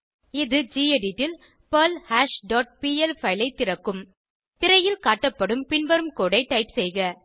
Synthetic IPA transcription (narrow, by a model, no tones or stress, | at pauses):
ɪðɯd͡ʒiːeɖiʈːɪl | pɐlhaːʂɖɔːʈ̚piːɛlfɐɪlɐɪt̪ːɪɾɐkːɯm | t̪ɪɾɐjɪlkaːʈːɐpːɐɽɯmpɪnbɐɾɯmkoːɽɐɪʈːɐɪpsɛjɣɐ